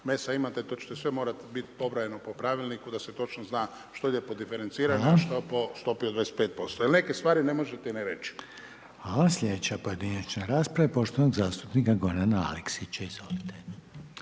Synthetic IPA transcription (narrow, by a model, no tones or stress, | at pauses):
mesaimat̪et̪ot͡ʃe̥t̪esʋemoːɾat̪bit̪po̞bɾajenopopɾaʋilˠnikud̪aset̪o̞t͡ʃnoznaː | ʃt̪oid̪epod̪ifeɾent̪siːɾaɲaʃt̪opost̪opiod̪ʋaeset̪peːt̪̚po̞st̪ojelnekest̪ʋaːɾine̞moʒet̪eniɾḛt͡ʃi̥ | asʎʲe̞d̪et͡ɕapo̞je̞d̪inat͡ɕnaɾaːspɾaʋepo̞ʃt̪onoɡzaːst̪upnikaɡo̞ɾanaa̰leksit͡ɕaizʋolit̪eʎ